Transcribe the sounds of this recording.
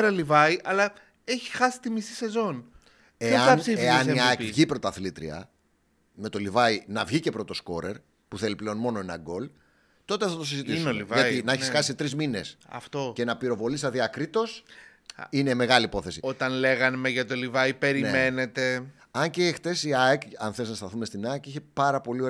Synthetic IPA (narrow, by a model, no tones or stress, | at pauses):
ɾɐlivɐiʔɐlɐ | eçi̥xɐsi̥t̪imisise̞zo̞n | eɐnsfeɐsneʝipɾo̞t̪ɐθlit̪ɾḭɐ̰ | me̞t̪o̞livɐinɐvʝice̞pɾo̞t̪o̞sko̞ɾe̞ɾ | puθe̞liple̞o̞nmo̞no̞enɐ̰ɡo̞l | t̪o̞t̪eɐft̪ot̪osizit̪isivɣɐt̪inɐeçisxɐsisit̪ɾizmine̞sɐ̰ft̪oce̞nɐpiɾo̞vo̞lisɐðiɐkɾit̪o̞s | ine̞me̞ɣɐlipo̞θe̞siot̪ɐnle̞ɣɐnmeʝɐt̪olivɐipe̞ɾinemenet̪e̞ | ɐɲceːxt̪e̞siɐekɐnθeznɐst̪ɐθume̞st̪inɐekiçe̞pɐɾɐpo̞lio̞ɾ